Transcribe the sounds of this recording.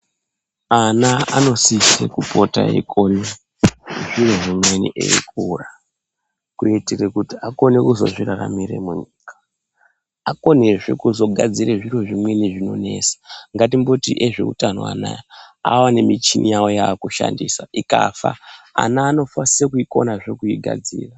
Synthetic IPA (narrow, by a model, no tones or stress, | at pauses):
anaano̞siʃekupo̞ta̰ḛkʰoni | ʐiro̞ʐimwenḭʔḛḭkura | kuitirekutiako̞ne̞kuzo̞̰ʐirara̰mire̞̰muɲiːkḁ | ako̞neʐe̞̰kuzo̞ɡʱad͡zireʐiroʐimwe̞niʐino̞ne̞̰sḁŋɡat̬imbo̞tiʔe̞ʐe̞̰utano̞̰wa̰najaawanemit͡ʃinʔijawo̞jaːkuʃa̰ndisaikafaa̰naːno̞fasisekuiko̞̰naʐe̞kuiɡʱa̰d͡ziːra